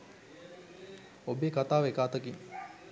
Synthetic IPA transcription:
obeːkat̪aːʋekaːt̪əkin

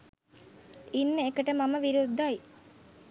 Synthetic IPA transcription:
inːəekəʈəmaməʋiɾud̪ːaj

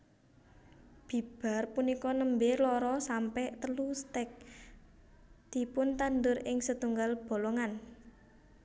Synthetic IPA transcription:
b̥i̤b̥a̤rpunikɔnəmbelɔɾɔsampɛʔt̪əlust̪ɛk̚ | d̪̥i̤pʊnt̪and̪ʊrɪŋsət̪uŋɡalb̥o̤loŋan

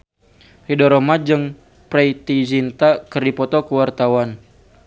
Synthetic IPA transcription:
hidɔɾɔmad͡ʒɨŋ | pɾɛit̪izint̪akərdipɔt̪ɔkəwart̪awan

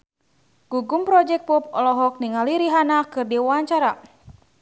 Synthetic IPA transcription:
ɡ̥uɡumpɾɔd͡ʒɛk̚pɔp̚ɔlɔɦɔk̚niŋaliɾiɦanakɨrdiwaɲt͡ʃaɾa

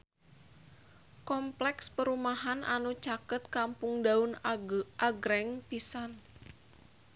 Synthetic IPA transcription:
kɔmplɛkspəɾumaɦanʔa̰nut͡ʃakət̪̚kampʊŋdaʊnʔaɡɾɛŋpisan

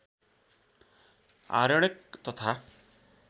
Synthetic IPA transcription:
a̰ɾɔɽ̃ekt̪ɔt̪ʰa

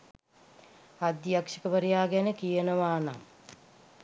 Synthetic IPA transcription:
ad̪jakʃəkəʋəɾijaːɡænəkijənəʋaːna̰ŋ

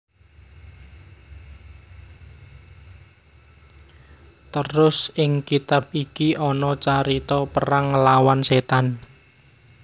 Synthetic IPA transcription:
t̪əɾʊsʔɪŋkit̪ap̚ikiʔɔnɔt͡ʃaɾit̪ɔpəɾaŋːəlawanset̪an

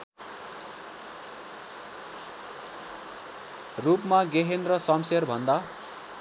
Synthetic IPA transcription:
rupmaɡeɦenrʌsʌmserbʱʌnd̪a

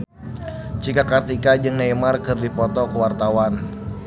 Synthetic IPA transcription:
t͡ʃikakart̪ikad͡ʒɨŋnajmarkɨrdipɔt̪ɔkəwart̪awan

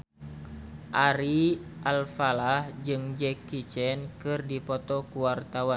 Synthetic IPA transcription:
ʔaɾiʔalfalahd͡ʒɨŋd͡ʒɛkːit͡ʃɛnkɨrdipɔt̪ɔkuwart̪awan

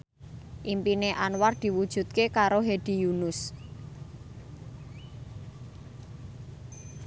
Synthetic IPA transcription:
ʔimpineʔanward̪̥i̤wud̥ʒ̥ṳt̪̚kekaɾoɦeɖ̪̥i̤junʊs

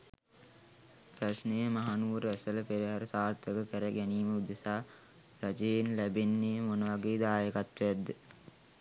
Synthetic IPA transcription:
prɐsnəjəmaɦanuʋuɾæsələpeɾiɦaɾəsaːrt̪əkəkəɾəɡæniːməud̪esaː | ɾɐd͡ʒejenlæbenːemonəʋaɡeːd̪aːjəkat̪ʋejæd̪ːə

